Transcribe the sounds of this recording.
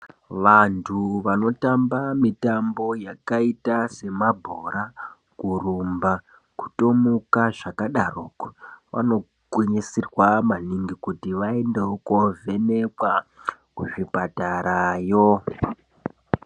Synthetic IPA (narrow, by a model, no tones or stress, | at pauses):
ʋantʰuʋano̞tambamitambo̞jakaitase̞mabʱoɾa | kurumba | ku̥to̞mukaʐakaɗarokʋa̰no̞ | ɡwiɲisirwamaniŋɡikutiʋaendeokove̞ne̞kwa | kuʐipataɾajo